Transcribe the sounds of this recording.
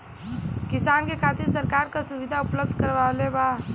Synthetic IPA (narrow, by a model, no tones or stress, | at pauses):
kɪsaːnkekʰaːt̪ʰesəɾkaːɾkasʊʋɪd̪ʱaʊpləb̚d̪ʱkəɾʋalebaː